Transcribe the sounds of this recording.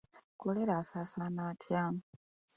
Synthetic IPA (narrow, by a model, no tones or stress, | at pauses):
koleɾaːsaːsaːnaːtʰjaːm